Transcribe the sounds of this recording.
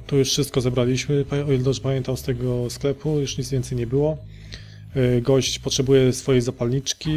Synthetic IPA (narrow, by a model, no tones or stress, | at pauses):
t̪ujuʂfʂɘst̪̚kɔzɛbɾalʲiɕmɘpɔild̪ɔʐɛpamʲjɛnt̪amst̪ɛɡɔsklɛpʰujuʂɲit̪zvʲɛnt̪sɛjɲɛbɘwɔ | ɡɔɕt͡ɕpɔtʂɛbujɛsfɔjɛjzapalɲit͡ʂkʲi